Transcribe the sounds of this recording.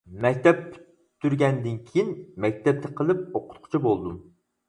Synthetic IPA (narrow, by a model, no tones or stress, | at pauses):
mɛkʲt̪ʰɛppy̥ | t̪ʰːyɾɡʲɛnd̪ɪnkʲʰijinmɛk̚ʲt̪ʰɛp̚t̪ʰɛqʰəlˠɨp̚oqʰʊ̥t̪̚qʰʊ̥t͡ʃʰibolˠd̪um